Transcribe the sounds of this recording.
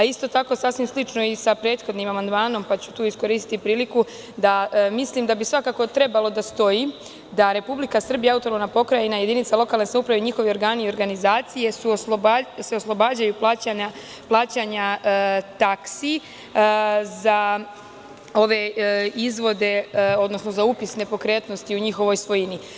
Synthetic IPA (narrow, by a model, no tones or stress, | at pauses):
aist̪o̞t̪ako̞sasʋimslit͡ʃno̞isapɾe̞ːt̪xo̞d̪nimamand̪maːno̞mpat͡ɕut̪uːisko̞ɾiːst̪i̥t̪ipɾiːliku | d̪amislimd̪abisʋakaːko̞t̪ɾe̞balo̞d̪ast̪o̞ji | d̪aɾe̞publikasr̩bijaaut̪oɾonapo̞kɾajinaje̞d̪init̪salˠo̞kalne̞saupɾaʋeɲixo̞ʋeo̞ɾɡaːniio̞ɾɡanizaːt̪sije̞suosloaseoslˠo̞baːd͡ʑajuplˠaːt͡ɕaɲa | plˠaːt͡ɕaɲat̪aksi | za | o̞ʋe̞izʋo̞d̪e̞o̞d̪no̞sno̞zaupisne̞po̞kɾe̞ːt̪no̞st̪iuɲixo̞ʋo̞jsʋo̞jini